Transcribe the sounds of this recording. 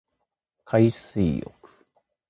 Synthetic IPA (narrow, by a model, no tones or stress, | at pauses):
kʰaisɨijo̰kɯ̥